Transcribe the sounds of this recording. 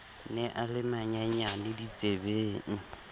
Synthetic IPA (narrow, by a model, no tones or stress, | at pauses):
nɛʔalɪmaɲaɲanɪdit͡sʼebeːŋ̩